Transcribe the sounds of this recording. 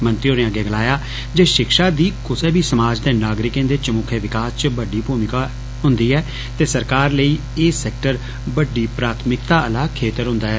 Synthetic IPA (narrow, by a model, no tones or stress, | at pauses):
mənt̪ioːɾẽãːɡeːɡəlaːjaː | d͡ʒeːʃɪkʃaːd̪iːkʊseːbʱiːsəmaːd͡ʒd̪eːnaːɡɾɪkẽːd̪eːt͡ʃəmʊkʰeːʋɪkaːst͡ʃbəɖiːbuːmɪkaː | ɦʊ̃nd̪iːɛː | t̪eːsəɾkaːɾləiː | eːsɛːk̚ʈəɾ | bəɖːiːpɾaːt̪ʰmɪkt̪aːʔəlaːkʰeːt̪əɾɦʊ̃nd̪aːɦɛː